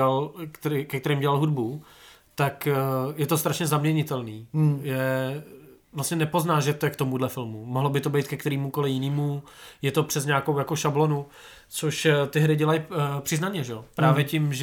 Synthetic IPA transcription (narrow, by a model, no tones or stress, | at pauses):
alkt̪ɛɾikɛkt̪ɛɾiːmɟɛlalɦudbu | t̪akjɛt̪o̞st̪ɾaʃɲɛzamɲɛɲɪt̪ɛlniːjɛ | vlast̪ɲɛnɛpo̞znaːʒɛt̪oɛkt̪omudlɛfɪlmumoɦlobɪt̪o̞bɛjt̪̚kɛkt̪ɛɾiːmuko̞lɪjɪniːmujɛt̪o̞pr̝̥ɛzɲaːkowjako̞ʃablo̞nu | t͡soʃt̪ɪɦɾɪɟɛlajpr̝̥ɪznanɲɛʒɛopɾaːvjɛcɪmʒ